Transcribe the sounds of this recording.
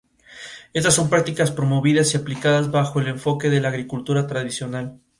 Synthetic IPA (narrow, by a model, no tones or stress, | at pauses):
e̞st̪asːo̞mpɾak̚t̪ikaspɾo̞mo̞βiðasiaplikaðazβaxoele̞ɱfo̞ke̞ðe̞laːɣɾikult̪uɾat̪ɾaðisjo̞nal